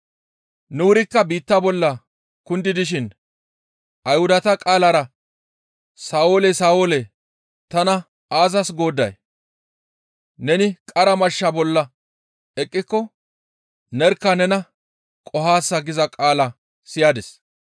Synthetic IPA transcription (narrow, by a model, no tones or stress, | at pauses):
nʊwʊɾɪkːɐbiːt̪ːabɔlːɐ | kʊnd̪ɪd̪ɪʃɪn | ʔɐjhʊd̪ɐt̪ɐkʼaːlaɾɐ | saːoːlɛsaːwolɛ | t̪ɐnɐ | aːzɐsɡo̞ːd̪ːɐ̰j | nɛnɪkʼɐɾɐmɐʃːabɔlːɐ | ɛkʼːɪkːɔ | nɛɾkːɐnɛnɐ | kʼɔɦaːsːɐɡɪzɐkʼaːlɐ | sɪjaːd̪ɛs